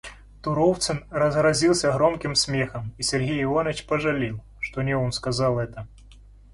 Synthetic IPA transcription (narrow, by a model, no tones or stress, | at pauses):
t̪uɾɔwt̪sɨnrɐzɣɾazʲilˠsʲɐɣɾɔmkʲimsʲmʲɛxɐmisʲɛrɣʲejivɔnɐt͡ɕpɐʐalʲiw̪ˠ | ʂt̪ɔnʲɛɔnskazalˠɛt̪ɐ